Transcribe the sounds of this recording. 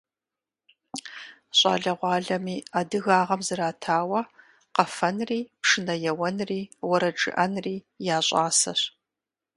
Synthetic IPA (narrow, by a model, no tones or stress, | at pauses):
ɕʼɑ̰ːɮɐʁʷɑːɮɐmiːadɨɣaːʁɐmzɨɾaːtʰaːwɐ | qɐfɐnriːpʂɨnɐjɛwɐnriːwɐɾɐʈ͡ʂʼɨ̰ʔɐnriː | jaːɕʼɑːsɐ̰ɕ